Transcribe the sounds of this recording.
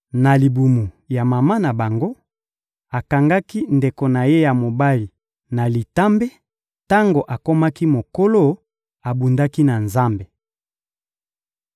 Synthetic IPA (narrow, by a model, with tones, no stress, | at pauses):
na˨li˨bu˨mu˨ | ja˨ma˨ma˦na˨ba˨ŋɡo˦ | a˨ka˨ŋɡa˦ki˦nde˨ko˨na˨je˦ja˨mo˨ba˦li˨ | na˨li˨ta˦mbe˦ | ta˦ŋɡo˨ʔa˨ko˦ma˦ki˦mo˨ko˦lo˦ | a˨bu˨nda˦ki˦na˨nza˦mbe˨